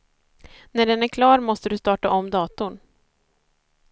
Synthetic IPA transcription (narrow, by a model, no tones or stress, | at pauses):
næɖɛnæɾkʰlɑːɾmɔst̪əɖɵst̪ɑːʈaʔɔmːd̪ɑːt̪ʊɳ